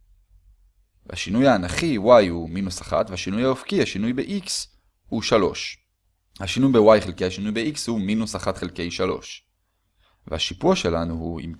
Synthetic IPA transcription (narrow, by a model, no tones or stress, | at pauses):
v̰ha̰ʃinujaːnaχiwajhuminusaχa̰t̪veaʃinujhaofkihaʃinujbeʔiks | huʃalo̞ʃ | haʃinujbewajχelkejhaʃinujbeikshuminusaχat̪χelke̞jʃalo̞̰ʃ | vḛhaʃipuʃelanuhuḭm